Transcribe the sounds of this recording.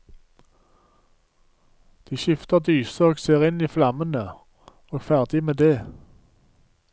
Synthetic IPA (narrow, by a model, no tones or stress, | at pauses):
d̪̥iːʃɪft̪əʁd̪yːsəoːɡseːʁɪniːflɑmənə | oːɡfæʁd̪ɪmeːd̪eː